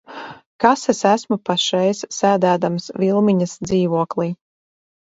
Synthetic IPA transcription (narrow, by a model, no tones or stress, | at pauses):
kasesæsmupaʃɛjssæːd̪æːd̪amsvʲilˠmiɲɐsd̪ziːvuɔklˠiː